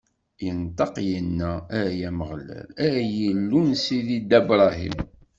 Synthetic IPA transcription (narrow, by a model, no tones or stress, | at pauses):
jənt̪ˤɑqjənːææjæməʁlæ̰læjəlːunsiðid̪æbɾˤɑɦḭmm